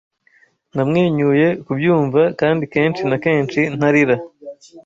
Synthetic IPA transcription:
namŋe̞ːɲuje̞kubjuːɱvakaːndike̞ːnt͡ʃinake̞ːnt͡ʃin̥haɾiɾa

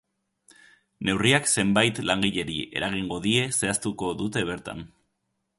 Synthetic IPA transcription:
ne̞wriakse̞mbajt̪laŋɡiʎe̞ɾie̞̰ɾaɣ̞iŋɡo̞ðie̞se̞ast̪uko̞ðut̪e̞β̞e̞ɾt̪a̰n

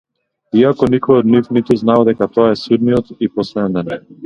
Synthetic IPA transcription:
iakɔnikɔjɔd̪nifnit̪uznaɔd̪ɛkat̪ɔaɛsud̪nijɔt̪ipɔslɛd̪nd̪ɛnɛ

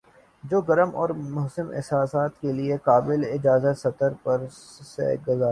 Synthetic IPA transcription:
d͡ʒoːɡɐɾəmɔːɾmʊɦsəmɪ̰ɦsaːsaːt̪keliekaːbɪlɪd͡ʒaːzət̪sɐt̪əɾpɐɾsḛɡʊzaː

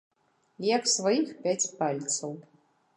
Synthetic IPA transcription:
jaksvɔjixpʲæt͡sʲpalʲt͡sʰʼɐw

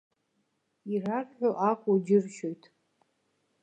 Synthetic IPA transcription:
irarħʷᶣoʔakʷʼud͡ʒɪrʃo̞jtʼ

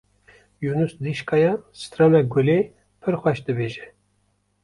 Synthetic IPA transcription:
junusd̪iʃkɑjɑsɨ̥t̪ɾɑːnɛɡule | pʰɨɾxʷɛʃd̪ɨbeːʒɛ̥

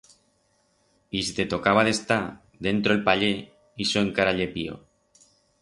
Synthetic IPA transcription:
isit̪e̞t̪o̞kaβ̞aðe̞st̪a | ðe̞nt̪ɾoe̞lpaʎe̞ | iso̞eŋkaɾaʎepio̞̰

